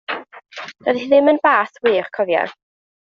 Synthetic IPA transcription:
d̥əðhiðɪmənbaːθwiːrkʰɔðja̰

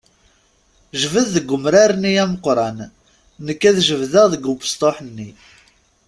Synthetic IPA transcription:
ʒəvəððəɡːʊmɾaɾniæməqɾˤɑnː | əkːæðʒəvðəʁðəɡupə̥st̪ˤoħənːi

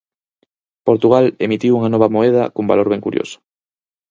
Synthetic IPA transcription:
poɾt̪uɣalemit̪iwuŋanoβ̞amoeð̞a̰komba̰loɾβeŋkuɾjo̰so̥

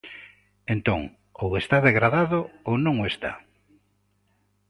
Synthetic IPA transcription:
ent̪õŋ | owest̪aðeɣɾaðaðoownõŋoest̪a̰

